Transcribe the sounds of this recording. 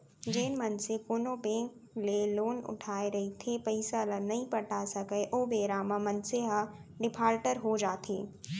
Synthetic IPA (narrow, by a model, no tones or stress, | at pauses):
d͡ʒeːnmɐnsekoːnobẽːŋkleloːnʊ̰ʈʰaːeɾɐɦit̪ʰepɐɪsalənɐɦĩpɐʈʰasɐɡeʔoːbeːɾaːmãmɐnseɦaɖɪpʰaːɾʈəɾɦod͡ʒaːt̪ʰeː